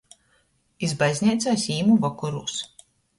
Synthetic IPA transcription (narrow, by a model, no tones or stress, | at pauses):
izbajzʲnʲɛjt̪sajsiːmuvakɔɾuːs